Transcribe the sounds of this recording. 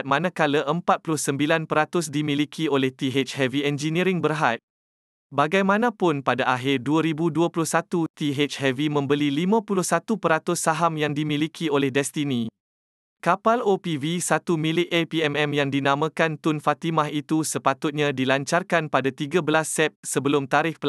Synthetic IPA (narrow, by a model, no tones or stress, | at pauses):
t̪̚mãnãkaləʔəmpat̪̚pulʊhsəmbilanpəɾat̪ʊs̬dimĩlikʰiolɛht̪iɦet͡ʃhɛviɛnd͡ʒinĩɾɪŋbərɦat̪̚ | baɡajmãnãpʊnpadaʔaɦɪrduaɾibuduapulʊhsat̪ut̪iɦet͡ʃhɛvimə̃mbəlilimãpulʊhsat̪upəɾat̪ʊsːaɦamjaŋdimĩlikʰiolɛhdɛst̪inĩ | kapalopivisat̪umĩlɪʔepiɛmɛmjaŋdinãmãkant̪ʊnfat̪imaɦit̪usəpat̪ʊt̪̚ɲãdilaɲt͡ʃarkanpadat̪iɡabəlasːɛp̚səbəlʊmt̪aɾɪhpə